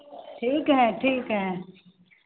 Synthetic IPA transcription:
ʈʰiːkɦɛʈʰiːkɦɛ

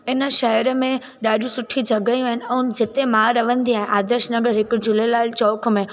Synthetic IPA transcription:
ɪnə̆ʃɐɦəɾəmẽ | ɗaːɗiũsʊʈʰid͡ʑʱɐɡəjũaːɦɪnɪ̆ɛ̃ːʊd͡ʑɪt̪emãːɾɐʋə̃nd̪iaːɦɪ̃ʔaːd̪əɾʃnɐɡəɾɦɪkʊ̆d͡ʑʊlelaːɪlt͡ɕɔːkmẽ

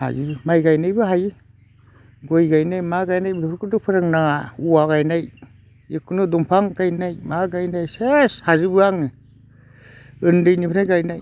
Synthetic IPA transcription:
ha̰zibɯmajɡajnajbɯɦaji | ɡojɡajnajmaɡajnajbɯpʰɾkʰudɯpʰɯɾɯŋnaŋauwaɡajnaj | ikʰunɯdumpʰaŋɡajnajmaɡajnajseshazibɯaŋɯ | ɯndɯjnipʰɯɾnajɡajnaj

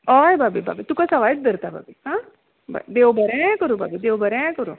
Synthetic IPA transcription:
ɔebaːbiba̰ːbit̪ukasɐʋaːjt̪̚d̪əɾt̪aba̰ːbiɦãː | ba̰d̪eːobɐɾɛ̃kəɾubʱa̰ːbid̪eːobəɾɛ̃kəɾo

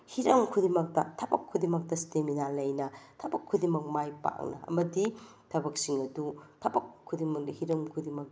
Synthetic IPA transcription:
hiɾɐmkʰudimɐk̚tɐtʰɐbɐ̰kʰːudimɐk̚tɐsteminalɐjnɐtʰɐbɐkʰːudimɐk̚majpa̰wnɐ̰ɐ̰mɐdi | tʰɐbɐk̚siŋɐdutʰɐbɐkʰːudimɐk̚hiɾɐmkʰudimɐk̚

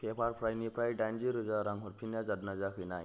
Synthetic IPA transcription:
kepʰaɾpʰɾajnipɾajɖand͡ʑiɾɯd͡zaɾãŋɦoɾpʰinjad͡zad̪nad͡zakʰɯjnaj

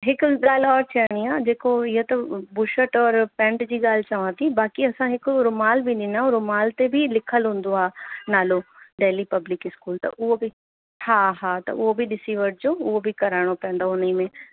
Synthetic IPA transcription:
ɦɪkɡaːlɔːɾt͡ɕʰɐːɽ̃iaːd͡ʑeːkoɪɦot̪ɐbʊʃəʈɔːɾpɛ̃ːɳʈd͡ʑiːɠaːl̤t͡ʃɐʋãt̪ʰibaːkiɐsãɦɪkɾʊmaːlbʱiɗɪnaʊɾʊmaːlt̪ebʱilɪkʰəlɦũːn̆d̪oaːnaːloɖeːlipɐblɪkɪskuːlt̪ɐ̰ʔʊɦobʱi | haːɦaːt̪ɐ̰ʔʊɦobʱiɗɪsiʋəʈ̚d͡ʑoːʊɦobʱikɐɾaːɽ̃opɛ̃ːnd̪aʊnimẽ

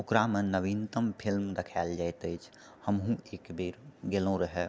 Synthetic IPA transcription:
okɾamenəʋint̪əmpʰilmɾəkʰald͡ʒajt̪əjt͡ʃʰ | həmɦũeːkbiɾɡelõɾəɦɛ

